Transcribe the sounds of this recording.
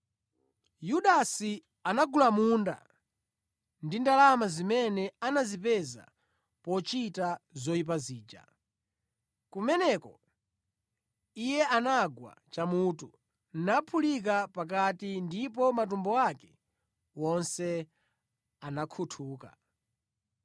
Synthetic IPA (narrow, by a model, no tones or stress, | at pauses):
juɗasi | anaɡulamuːnda̰ | ndindalamazimɛnɛanazipɛza̰ | pɔt͡ʃitazɔip̬aziːd͡ʒa̰ | kumɛnɛkɔ | ijɛʔanaɡwa̰t͡ʃamuːtu | n̩napʰulik̬apak̬atindip̬ɔmatumbɔakɛ̥ | wɔnsɛ | anakʰutʰuːka̰